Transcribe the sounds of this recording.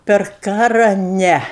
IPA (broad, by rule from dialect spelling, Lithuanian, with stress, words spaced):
pʲɛr ˈkɑːrɐ ˈnʲɛ